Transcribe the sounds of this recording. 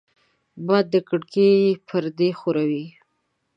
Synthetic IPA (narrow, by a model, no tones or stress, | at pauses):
bɑjd̪ːəkəɽkejepʰəɾd̪exoɾawi